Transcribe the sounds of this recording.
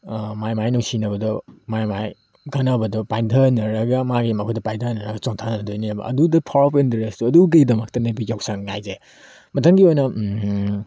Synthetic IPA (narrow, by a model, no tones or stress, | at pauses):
majmajnuwsinɐbɐdɔmajmaj | ɡɐnɐbɐdɔpajdʰʱɐnɐɾɐɡɐmaɡimakʰudɐpajdʰʱɐnɐɾɐɡɐt͡ʃoŋtʰanɐnɐdojniɐbɐ̰ʔɐ̰dudɐpʰaɾpendɾestuɐduɡɐidɐmɐk̚tɐnɐbikawksaŋŋa̰jze | mɐtʰaŋɡiojnɐ